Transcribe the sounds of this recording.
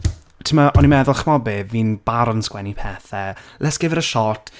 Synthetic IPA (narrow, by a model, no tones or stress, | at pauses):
tʰəmaʔɔnimɛðʊlˠχmɔbɪviːnb̥aɾɔnskwɛnipʰɛːθɛlɛsɡ̥ɪvəɾəʃɔtʰ